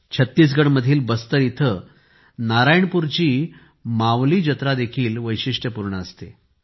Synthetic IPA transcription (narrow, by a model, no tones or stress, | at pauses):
t͡ɕʰət̪ːiːs̬ɡəɽməd̪ʱiːlbəst̪əɾit̪ʰə | naɾajɳpuɾt͡ɕiː | mãʋliːd͡ʑət̪ɾad̪ekʰiːlʋəjɕiʂʈjəpuɾɳəəst̪e